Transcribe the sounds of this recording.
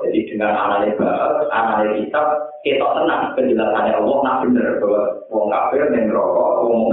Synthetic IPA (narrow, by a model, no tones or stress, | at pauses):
d͡ʒad̥id̪̥əŋana̰laleb̥aʔətʔanalekit̪aket̪ɔʔt̪ənahkəɲd͡ʒəlasaneʔɔwɔnab̥ənərb̥əwas | wɔŋka̰b̥ɪrnɛŋɾɔkɔwɔŋ